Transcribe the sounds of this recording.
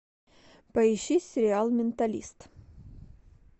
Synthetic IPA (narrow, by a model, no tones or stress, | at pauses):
pɐɪɕisʲɪɾʲɪalˠmʲɪnt̪ɐlʲḭst̪